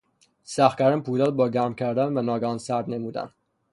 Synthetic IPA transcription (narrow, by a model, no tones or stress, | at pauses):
sæxkæɾænpʰuːlælbɒːɟæɾmcʲʰæɾd̪ænvænɒːɡænsæɾd̪nemuːd̪æ̰n